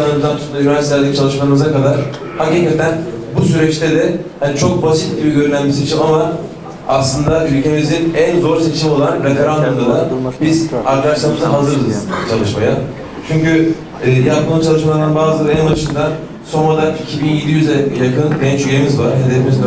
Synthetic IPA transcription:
aad̪ant̪ʰu̥t̪lˠaɾanʃslʲæɾd̪it͡ʃʰalˠɯʃmalˠɯmɯzakad̪aɾ̥ | haciːkat̪ʰænbusyɾɛt͡ʃt̪ed̪ɛhanit͡ʃʰo̞k̚basit̪̚ɟibiɟø̞ɾynænbise̞t͡ʃʰimama | aslˠɯnd̪aʔylʲcʰe̞mizinænzo̞ɾse̞t͡ʃʰimo̞lˠanɾet̪eɾand̪umd̪ad̪abizaɾkaʃlˠaɾmɯzaɦazɯɾd̪ɯz̥t͡ʃʰalˠɯʃmaja | t͡ʃʰyɲcyː | jap̚t̪ɯnˠut͡ʃʰalˠɯʃmaaɾɯnbaːzɯlɛnbaʃɯnd̪a | so̞nad̪aɾicʰibinje̞d̪ijyzɛjakʰɯnd̪ɛnt͡ʃyjemizvaɾɦe̞d̪efimizd̪

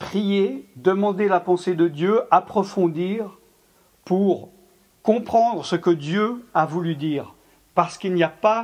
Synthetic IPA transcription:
pχijed̪əmɑ̃d̪elapɑ̃sed̪əd̪jøapχɔfɔ̃d̪iːʁ | puʁ | kɔ̃pχɑ̃d̪ʁəsəkəd̪jøavulyd̪iːʁ | paʁsə̥kilniapa

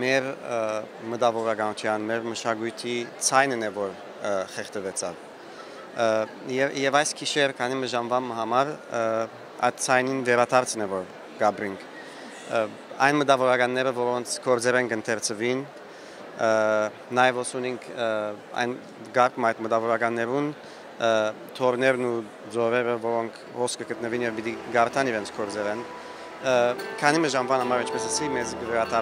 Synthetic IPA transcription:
mɛɾ | mət̪ɑvɔɾɑɡɑnut͡ʃʰjɑnmɛɾməʃɑɡujt̪ʰit͡sʰɑjnnɛvɔɾ | χɛχt̪əvɛt͡sʰɑv | ɛjɛvɑjskʰiʃɛɾkʰɑniməʒɑmvɑməhɑmɑɾ | ɑ̰jt̪̚t͡sʰɑjninvɛɾɑt̪ʰɑɾt͡snɛvɔɾ | ɡɑbɾiŋkʰ | ɑjnməd̪ɑvɔɾɑɡɑnːɛɾəvɔɾɔnt͡sʰkʰɔɾd͡zɛɾɛnkənt̪ʰɛɾt͡sʰəvin | ɑjɛvɔsuniŋkʰɑ̰jn | ɡɑɾkməɑjt̪məd̪ɑvɔɾɑɡɑnːɛɾun | t̪ʰɔɾnɛɾnu | d͡zɔɾɛɾəvɔɾɔŋkʰhɔskəɡət̪̚nəvinjɛvbit̪iɡɑɾt̪ʰɑniɾɛnt͡sʰkʰɔɾd͡zɛlɛn | kʰɑnimɛʒɑmvɑnhɑmɑɾint͡ʃʰpɛsəsimɛzɡəvɛɾɑt̪ʰɑ

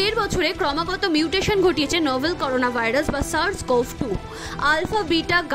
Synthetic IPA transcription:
eɾbɔt͡ɕʰoɾekɾɔmaɡɔt̪omjiuʈeʃonɡʱoʈijet͡ɕʰenɔbelkɔɾonabʱajɾasbasaɾskɔfʈu | alfabiʈaɡ

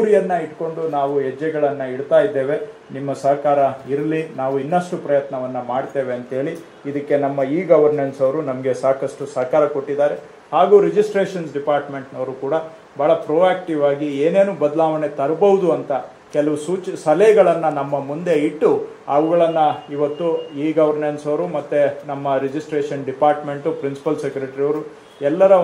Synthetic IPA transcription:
uːɾijɐnːɐiʈko̞ɳɖunaːʋuɦɛd͡ʒːɛɡɐɭɐnːɐiɽt̪aːjid̪ːeːʋe̞ | nimːɐsɐɦkaːɾɐiɾɐlinaːʋuinːɐʂʈupɾɐjɐt̪nɐʋɐnːɐmaːɖt̪e̞ːʋeɐnt̪ɐɦe̞ːɭiː | d̪ɐkːe̞nɐmːɐiːɡɐʋɐɾneɳsɐʋɾunɐmɐɡe̞saːkɐsʈusɐɦkaːɾɐko̞ʈːid̪aːɾe̞ | haːɡuːɾed͡ʒisʈɾeːʂɐnsɖipaːɾʈme̞ɳʈnɐʋɾuːkuːɽɐ | bʱaːɭɐpɾoːaːk̚ʈiʋaːɡieːne̞ːnuːbɐd̪ɐlaːʋɐne̞t̪ɐɾɐbɐʋud̪uɐnt̪ɐ | kɛlɐʋusuːt͡ʃsɐlɐjɡɐɭɐnːɐnɐmːɐmund̪e̞iʈːu | ɐʋuɡɐɭɐnːɐiʋɐt̪ːuiːɡɐʋɐɾnensɐʋɾumɐt̪ːenɐmːɐɾed͡ʒisʈɾeːʂɐnɖipaːɾʈme̞ɳʈupɾinsi̥pɐlsekɾeʈɐɾiɐʋɾu | ɛlːɐɾɐ

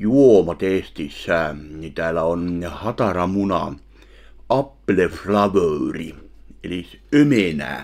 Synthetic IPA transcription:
juomɑt̪est̪isːænit̪æːlːæonhɑt̪ɑrɑmunɑ̰ | ʔɑpːleflɑʋøyrḭelisømenæ̰ː

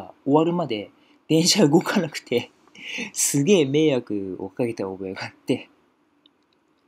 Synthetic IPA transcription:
o̞βaɾɯ̟mad̪e̞ | d̪̥ẽ̞ɰ̃ɕaɯ̟ɡo̞kʰanakɯ̟̥t̪ʰe̞ | sɨɡe̞ːme̞ːjakɯ̟o̰kaɡe̞t̪aobo̞jaɡaːt̪ːe̞

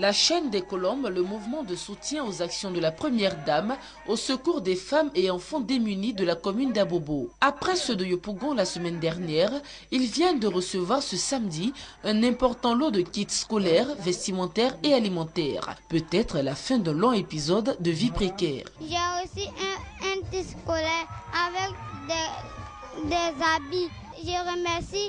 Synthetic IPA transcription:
laʃɛnd̪ekɔlɔ̃bləmuvmɑ̃d̪əsut̪jɛ̃ozaksjɔ̃d̪əlapχəmjɛʁd̪am | osəkuʁd̪efameɑ̃fɑ̃d̪emynid̪əlakɔmynd̪aboboapχɛsød̪əjopuɡɔ̃lasəmɛnd̪ɛʁnjɛʁ | ilvjɛ̃d̪əʁəsəvwaʁsəsamd̪iɛ̃nɛ̃pɔʁt̪ɑ̃lod̪əkʲit̪skɔlɛʁvɛst̪imɑ̃t̪ɛʁealimɑ̃t̪ɛ̰ːʁpøt̪ɛt̪χəlafɛ̃d̪ɛ̃lɔ̃epizɔd̪ːəvipχekʲɛːʁʒɛosiʔɛ̃t̪iskɔlɛavɛkd̪ɛ | d̪ɛzabi | ʒəʁəmɛʁsi

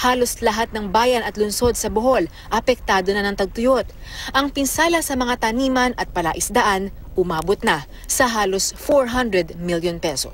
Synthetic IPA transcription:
haːlo̞slɐɦat̪̚nɐŋbaːjɐnɐt̪lʊnso̞d̪̚sɐboɦo̞l | ʔɐpɛk̚t̪aːd̪o̞nɐanɐŋt̪ɐɡ̚t̪ʊjot̪̚ʔɐŋpɪnsaːlɐsɐmɐŋat̪ɐniːmɐnʔɐt̪̚pɐla̰ʔɪsd̪ɐʔan | ʔʊmaːbot̪̚nɐ | sɐɦaːlo̞sfoɹɦand̪ɹɛd̪miljonpɛsos

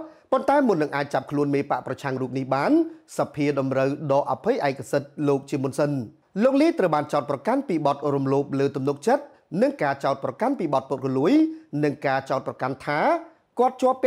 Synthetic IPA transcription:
pont̪aɛmʊnːɨŋʔaːc̚t͡ɕap̚kʰluənmeːpaʔprɑt͡ɕʰaŋruːp̚nihɓaːnsapʰːiəɗɑmrəwɗɑːʔapʰɨjʔaɛkʰasət̪̚loːk̚t͡ɕiəmŭənsən | loːk̚liət̪rəwɓaːnt͡ɕaʊt̪̚prɑkanpiːɓɑt̪̚rumloːp̚ləːt̪umnuk̚t͡ɕət̪̚ | nɨŋkaːt͡ɕaʊt̪̚prɑkanpiːɓɑt̪̚pʊt̪̚rɔluəjnɨŋkaːt͡ɕaʊt̪̚prɑkant̪ʰaː | kŏət̪̚t͡ɕŏəpːɛ

